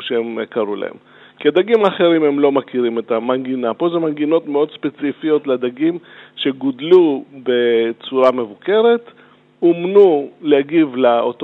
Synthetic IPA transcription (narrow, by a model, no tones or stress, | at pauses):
ʃeemkaɾula̰hḛm | ked̪aɡimaχe̞ɾimhe̞mlo̞makiʁime̞tamaŋɡinapo̞zemanɡino̞t̪meo̞d̪spet͡sifijo̞tled̪aɡimʃe̞ɡodlube̞t͡suɾame̞vuke̞ɾe̞t | omnulehaɡivlaot